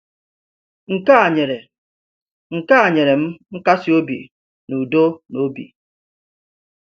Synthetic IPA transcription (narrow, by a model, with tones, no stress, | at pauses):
ŋ̩˨ka˦˨ɲe˨ɾe˨ | ŋ̩˨ka˦a˨ɲe˨ɾe˨m̩˦ŋ̩˦ka˦si˦o˦bḭ˨ | nu˨do˦no˦bḭ˨